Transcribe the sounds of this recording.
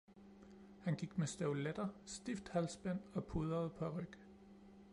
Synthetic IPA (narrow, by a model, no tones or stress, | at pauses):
hænɡ̥iɡ̥mesd̥æʊled̥ɐsd̥ifd̥hælsb̥æn̰ɒ̽pʰuðˠɐð̞̩ˠpʰɒ̽æʁœɡ̥